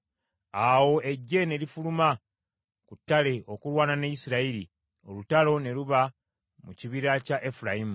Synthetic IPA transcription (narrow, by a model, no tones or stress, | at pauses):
awo̞e̞ɟːe̞ne̞lifuluma | kutːale̞ʔo̞kulwaːnanejisiɾaiɾi | o̞lutalo̞ne̞luβa | muciβiɾacaʔefuɾajimu